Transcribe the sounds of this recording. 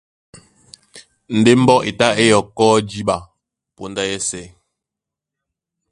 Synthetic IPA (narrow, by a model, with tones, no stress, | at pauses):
n̩˨de˦m̩˦bɔ˦ʔe˨ta˦e˦jɔ˨kɔː˦d͡ʒi˦ɓa˨ | po˨nda˦jɛ˦sɛ˨